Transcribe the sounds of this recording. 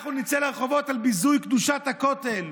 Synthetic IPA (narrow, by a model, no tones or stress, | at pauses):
χunit͡seleʁeχo̞vo̞t̪albizujkd̪uʃat̪hako̞t̪el